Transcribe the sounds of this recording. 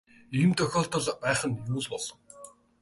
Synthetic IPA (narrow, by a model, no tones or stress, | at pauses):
iːmt̪œxʲɔːɬt̪ə̆ɮpæːχə̆njuːɮpɔɮ̥ɞ̆ŋw